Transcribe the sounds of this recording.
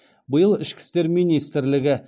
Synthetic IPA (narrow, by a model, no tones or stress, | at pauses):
bʊjəlˠɪʃkʲʰɪ̥st̪e̞ɾmijnijst̪ɪɾlɪɡʲɪ